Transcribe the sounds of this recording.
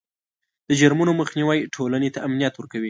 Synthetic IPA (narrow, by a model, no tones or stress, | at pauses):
d̪̥əd͡ʒaɾmunoməxniwajʈʰolanet̪aʔamnijat̪wəɾkawi